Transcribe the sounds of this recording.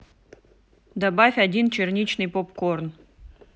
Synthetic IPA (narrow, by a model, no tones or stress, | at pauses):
d̪abafʲɐdʲint͡ɕɪrnʲit͡ɕnɨjpopkorn